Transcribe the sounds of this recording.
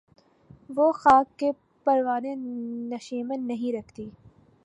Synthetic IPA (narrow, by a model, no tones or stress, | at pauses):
ʋoxaːkːe | pɐɾʋaːnenɐʃiːmẽnɐɦĩɾɐkʰt̪iː